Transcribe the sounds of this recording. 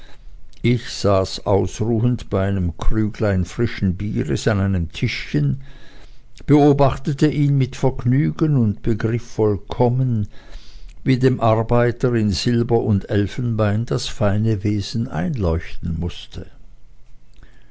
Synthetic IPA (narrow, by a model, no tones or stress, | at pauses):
ʔɪçz̥aːsʔaʊsʁuːəntb̥aɪaɪnəmkʁyːɡlaɪnfʁ̥ɪʃn̩biːʁɪsanaɪnəmtʰɪʃçən | b̥əoːbaχtətəʔiːnmɪtfɛɐɡnyːɡənʊntb̥əɡʁɪfːɔlkʰɔmən | viːdeːmʔaɐbaɪtəɪnzɪlbɐʔʊndɛlfn̩baɪnd̥asfaɪnəveːz̥n̩ʔa̰ɪnlɔʏçtn̩mʊstʰə